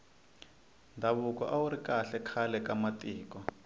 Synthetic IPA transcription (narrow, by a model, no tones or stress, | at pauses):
ndʱaβukɔʔauɾikaɬɛkʰalɛkamatʼiːkɔ